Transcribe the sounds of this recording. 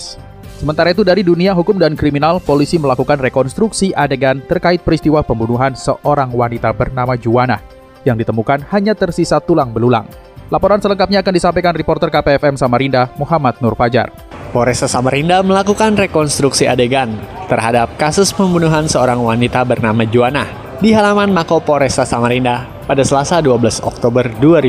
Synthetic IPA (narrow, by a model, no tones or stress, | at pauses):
səmənt̪aɾait̪̬udaɾiduniaɦukʊmdankɾiminalpolisiməlakukanrekɔnst̪ɾuksiʔadeɡant̪ərkaɪt̪̚pəɾist̪iwapəmbunuɦansəʔoɾaŋwanit̪abərnamad͡ʒuana̰h | jaŋdit̪əmukanhaɲat̪ərsisat̪ulaŋbəlula̰ŋ | lapoɾansələŋkap̚ɲaːkandisampajkanripɔrt̪ərkapeɛfɛmsamaɾindamuɦamat̪̚nʊrfad͡ʒa̰r | pɔɾɛsasamaɾindaməlakukanrekɔnst̪ɾuksia̰deɡant̪ərɦadap̚kasʊspəmbunuɦansəoɾaŋwanit̪abərnamad͡ʒuanah | diɦalamanmakopoɾɛsasamaɾinda | padasəlasaduabəlasɔ̰k̚t̪obərduaɾi